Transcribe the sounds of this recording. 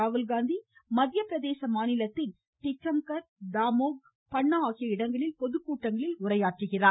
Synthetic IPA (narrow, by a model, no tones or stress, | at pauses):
aːʋɯlɡaːnd̪imɐd̪jɐpːɾɐðeːsɐmaːnɪlɐt̪ːɪn | ʈɪʈɾɐmkɐɾd̪aːmoːɡ̚ | pɐɳːɐaːɣɪjɐɪɽɐŋɡɐɭɪlpɔðɯkːuːʈːɐŋɡɐɭɪlʊɾɐjaːʈrɯɣɪraː